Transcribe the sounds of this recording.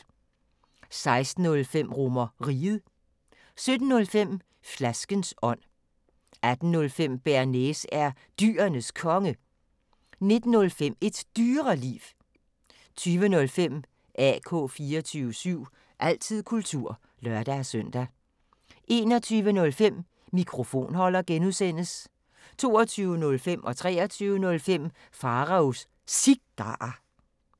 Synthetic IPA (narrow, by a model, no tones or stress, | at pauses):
sɑ̈ɪsd̥n̩ɔ̽lfem̰ʁɔmɐʁiːð̩ˠ | sød̥n̩ːɔ̽lfem̰ | flæsɡ̥ənsɒ̽n̰ | æd̥n̩ːɔ̽lfem̰b̥æɐnesæɐ | d̥y̰ːɐnəskʰɒ̽ŋə | ne̝d̥n̩ːɔ̽lfem̰e̝d̥d̥yːʁɐlḭːʋ | t͡sʰyːʋənɔ̽lfem̰ | ʔɛ̰kʰɔ̰̽ːfiːɐɒt͡sʰyːʋəsyʊ̰ | ʔæl̰t͡sʰið̰ˠkʰult͡sʰuɐ̰ | lɶɐd̥æsœn̰d̥æ | ʔe̝ːnɒ̽t͡sʰyːʋənɔ̽lfem̰ː | ikʰʁo̝fo̝̰ːnhɒ̽l̰ɐɡ̥enuðˠsen̰əs | t͡sʰo̝ːɒt͡sʰyːʊənɔ̽lfem̰ʔɒ̽t͡sʰʁɛ̰ːɒt͡sʰyːʊənɔ̽lfem̰ | fɑ̈ʁɑ̈os | siɡ̥̚d̥ɑ̈